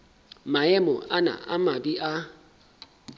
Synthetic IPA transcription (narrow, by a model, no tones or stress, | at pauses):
maɛmɔʔana̰ʔa̰mabiʔa